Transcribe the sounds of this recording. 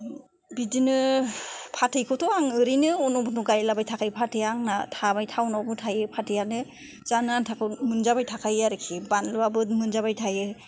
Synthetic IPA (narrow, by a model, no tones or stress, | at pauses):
bidinɯ | pʰatʰɯjkʰɯtʰɔaŋɯɾinɯɔnɔbɯnuɡajlabajtʰakʰajpʰatʰɯjaŋnatʰabajtʰawnawbɯtʰajɯpʰatʰɯjanɯ | z̥anɯantʰakʰɯmɯnzabajtʰakʰajaɾɯkʰibanlɯabɯmɯnzaβajtʰajɯ